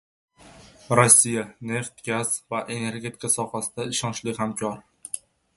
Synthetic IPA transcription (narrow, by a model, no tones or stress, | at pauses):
ɾosːijane̞ft̪ɡʲaz̥vaʔe̞ne̞ɾɡʲe̞t̪ʰɪ̥kʰasɒhasɪd̪̥aɪʃɒnt͡ʃlɪhamkʲʰɒɾ